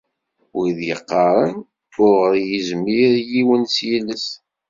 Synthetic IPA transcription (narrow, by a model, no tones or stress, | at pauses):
wiðjəqːɑɾˤən | ʊɾʁəɾjizmiɾjiwənsjiləs